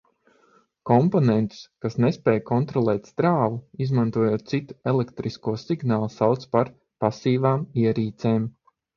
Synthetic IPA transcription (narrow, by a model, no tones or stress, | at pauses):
kɔmponɛnt̪u̥skasnespɛːjkɔnt̪ɾɔlˠɛːt̪st̪ɾaːvuizmant̪uɔjoːt̪̚t̪sit̪u̥elɛkt̪ɾiskuɔsiɡnaːlˠsawt̪spaɾ | pasiːvaːmiɛɾiːt̪sɛːm